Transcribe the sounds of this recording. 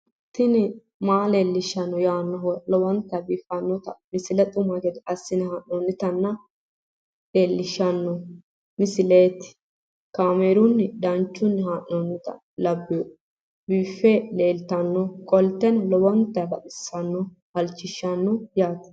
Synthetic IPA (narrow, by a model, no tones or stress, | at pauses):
t̪ːɪnɪ | maːleːlːɪʃːɐnːɔjaːnːɔlɔwɐnt̪ːɐbiːfɐnːɔt̪ɐmɪsɪlɛt̪ʼʊmɐɡɛd̪ɐsːɪnɪhaʔnoːnːɪt̪ɐnːɐ | leːlːɪʃːɐnːɔ | mɪsɪleːt̪ɪ̥ | kaːmeːɾʊnːɪd̪ɐnt͡ʃːʊnːɪɦaʔːonːɪt̪ɐ̰ | lɐbːɪjɔ | biːfːeleːlt̪ɐnːɔkʼɔlt̪ːɛnlɔwɔnt̪ːɐbɐt̪ʼɪsːɐnːɔ | hɐlt͡ʃːɪʃːɐnːɔjaːt̪